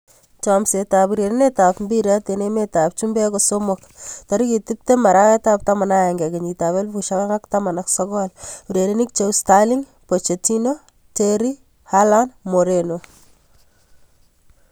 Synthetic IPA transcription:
t͡ʃɔmsetapuɾeɾenetapmbiɾatenemetap̚t͡ʃumbekosomok | taɾikitip̚temaɾaketap̚tamanaɛŋɡɛkeɲitaβelfuʃaŋaktamanaksɔkɔluɾeɾenik̚t͡ʃewstaliŋ | pot͡ʃetino | teɾi | halanmoɾeno

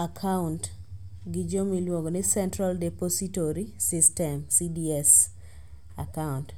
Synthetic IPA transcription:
akʰaunt | ɡid͡ʒomilwoɡonɪsɛntɾaldɛpositoɾisistɛmsidiɛs | a̰kaunt

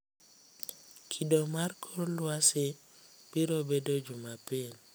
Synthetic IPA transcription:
kʰidomarkʰoɾlwasɪ | b̥iɾobedod͡ʒumapin

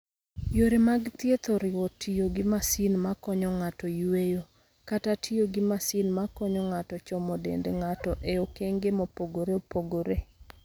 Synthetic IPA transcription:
joɾemaɡt̪jet̪oɾɪwɔtʰːijoɡɪmasinmakɔɲɔŋatɔjwejo | katatʰioɡɪmasinmakɔɲɔŋatɔt͡ʃɔmɔdḛndeŋatɔʔeokeŋɡemopoɡoɾeopoɡoɾe

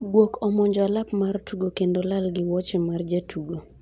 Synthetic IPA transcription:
ɡwokʰɔmɔɲd͡ʒɔalapmartʰuɡokendolalɡɪwɔt͡ʃemard͡ʒatʰuɡo

